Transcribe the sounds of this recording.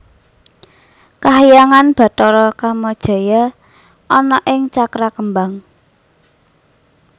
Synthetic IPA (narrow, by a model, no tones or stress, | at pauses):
kaɦijaŋanb̥ä̤t̪ɔɾɔkaməd̥ʒ̥ä̤ja | ʔɔnɔʔɪŋt͡ʃakɾakəmbaŋ